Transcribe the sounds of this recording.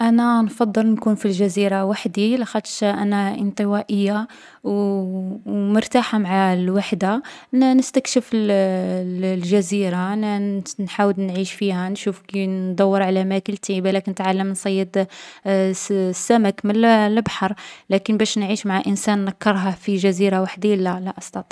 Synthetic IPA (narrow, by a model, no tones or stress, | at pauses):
ʔænænfɑd̪ˤːəlnkunfilʒæziɾawaħd̪ilixæt̪ʃʔænæʔə̰nt̪ˤəwæʔəjːa | w | mʊɾt̪aħamaʕalwaħd̪a | nnəst̪ækʃəfəlllʒæziɾannħawəlnʕiʃfihænʃufkind̪ˤɑwːəɾˤʕalæmækəlt̪ibælækənət̪ʕalːəmnsˤɑjːəd̪ | sːæmækməllbħɑɾˤlækənbæʃnʕiʃmaʕaʔənsænːɑkːɑɾˤɦɑfiʒæziɾawaħd̪ilːælæʔɑst̪ɑt̪ˤi̥